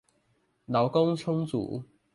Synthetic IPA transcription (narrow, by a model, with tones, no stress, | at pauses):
la˨˦ʊwkʊ˥ŋt͡sʰʊ˥ŋt͡sṵ˨˩˦